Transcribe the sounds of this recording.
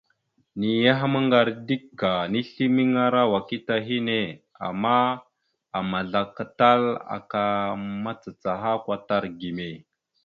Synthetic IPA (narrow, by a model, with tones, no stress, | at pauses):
ni˨ja˦ɦa˦ma˦ŋɡa˨ɾdi˦kːa˨ni˦ɬi˦mi˦ŋa˦ɾa˦wa˨ki˦ta˨ɦi˦ne˨ | a̰˨mːa˦ | a˨ma˨ɮa˨ka˨ta˦la̰˨ka˨ma˦t͡sa˨t͡sa˨ɦa˦kʷa˨ta˦ɾɡi˨me˨